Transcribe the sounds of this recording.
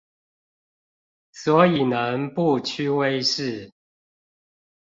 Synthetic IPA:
swɔ˨˦i˨˩nə˨˦npu˥˨t͡ɕʰy˥we˥˦ɪʂɻ̩˥˨

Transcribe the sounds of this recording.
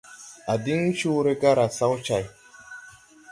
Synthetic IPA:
a˨di˦ŋ˦t͡ʃu˦ɾe˦ka˦ɾa˨sa˦wt͡ʃa˨j

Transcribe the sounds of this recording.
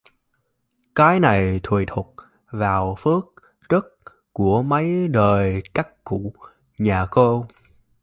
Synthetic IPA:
kaː˨˦jna˨˩jt̪ʰwḭ˧˨t̪ʰu˨˩t̚ | vaː˨˩wfɨ˦˥ək̚ | zə˦˥t̚ | ku˧˩əmə˨˦jɗəː˨˩jkaː˦˥kkṵ˧˩˨ | ɲaː˨˩ko˧

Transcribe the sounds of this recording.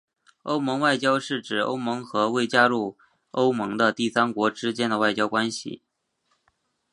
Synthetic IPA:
o˥ʊmɤ˧˥ŋwa˥˩ɪt͡ɕjɑ˥ʊʂɻ̩˥˩ʈ͡ʂɻ̩˨˩o̰˥ʊmɤ˧˥ŋxɤ˧˥we˥˩ɪt͡ɕja˥ɻu˥˩ | o˥ʊmɤ˧˥ŋd̪ə˧t̪i˥˩sa˥nkwɔ˧˥ʈ͡ʂɻ̩˥t͡ɕjɛ˥nd̪ə˨˧wa˥˩ɪt͡ɕjɑ˥ʊkwa˥nɕḭ˨˩

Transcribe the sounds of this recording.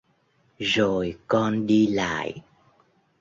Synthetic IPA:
zo˨˩jkɔ˧nɗi˧la̰ː˧˨j

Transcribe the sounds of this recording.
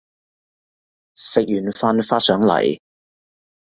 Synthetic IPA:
sɪ˨k̚jyː˨˩nfaː˧nfaː˥tsœː˨˥ŋlɐ̰˨˩j

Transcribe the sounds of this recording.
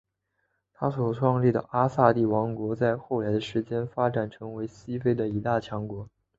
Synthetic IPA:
t̪ʰa˥swɔ˨˩ʈ͡ʂʰwɑ˥˧ŋli˥˩d̪ə̰˩ʔa˥sa˥˧t̪i˥˩wɑ˧˥ŋkwɔ˧˥t͡sa˥˧ɪxo˥˩ʊla˧˥ɪd̪ə˧ʂɻ̩˧˥t͡ɕjɛ˥nfa˥ʈ͡ʂa˨˩nʈ͡ʂʰɤ˧˥ŋwe˧˥ɪɕi˥fe˥ɪd̪ə˨i˧˥t̪a˥˩t͡ɕʰjɑ˧˥ŋkwɔ˧˥

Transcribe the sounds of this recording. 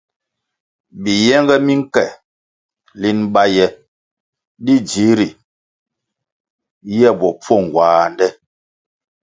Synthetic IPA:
bi˨jɛ˦ŋɡɛ˦mi˦ŋ̩˦kɛ˨ | li˦nɓa˦jɛ˨ | di˦d͡ʒi˨˦ɾi˨ | jɛ˦˨bɔ˨p͡fɔ˦˨ŋ˨ɡwaː˨ndɛ˦

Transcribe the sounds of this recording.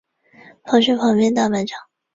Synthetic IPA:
fɑ˧˥ŋɕ̬ɥɛ˥˩fʰɑ˧˥ŋpjɛ˥˧nt̪a˥˩pa˧˩nʈ͡ʂʰɑ˨˩˦ŋ

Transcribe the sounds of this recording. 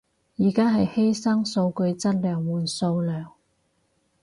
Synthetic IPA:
jiː˨˩kaː˥ɦɐ˨jhe˥jsɐ˥ŋso˧wkɵ˧ɥt͡sɐ˥t̚lœː˨˩ŋwuː˨˩nso˧wlœː˨˩ŋ

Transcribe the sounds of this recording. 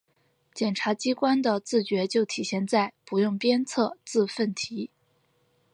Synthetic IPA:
t͡ɕjɛ˨˩nʈ͡ʂʰa˧˥t͡ɕi˥kwa˥nd̪ə˨t͡sɹ̩˥˩t͡ɕɥɛ˧˥t͡ɕjo˥˩ʊt̪ʰi˨˩ɕjɛ˥˧nt͡sa˥˩ɪpu˧˥jʊ˥˩ŋpjɛ˥nt͡sʰɤ˥˧t͡sɹ̩˥˧fə˥˩nt̪ʰi˧˥

